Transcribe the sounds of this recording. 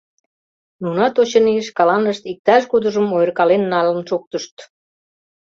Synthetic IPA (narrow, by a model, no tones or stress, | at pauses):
nunɑt̪ot͡ɕə̆niʃkɑlɑnəʃt̪ik̚t̪ɑʃɡod̪əʒəmojərkɑlenːɑlənʃok̚t̪əʃt̪